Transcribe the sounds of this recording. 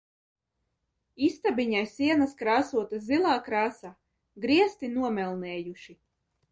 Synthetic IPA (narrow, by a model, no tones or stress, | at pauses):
ist̪abiɲajsiɛnaskɾaːsuɔt̪azilˠaːkɾaːsaː | ɡɾiɛst̪inuɔmɛlˠnɛːjuʃi